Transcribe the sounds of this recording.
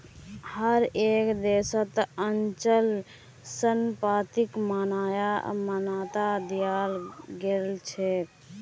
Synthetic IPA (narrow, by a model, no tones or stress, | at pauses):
həɾekd̪esət̪ənt͡ʃəl | sənpɾat̪ikmanajamənat̪ad̪ijalɡelt͡ʃʰe